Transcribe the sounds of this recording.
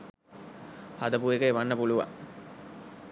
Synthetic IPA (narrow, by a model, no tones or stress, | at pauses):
had̪əpuekəeʋanːəpuluʋa̰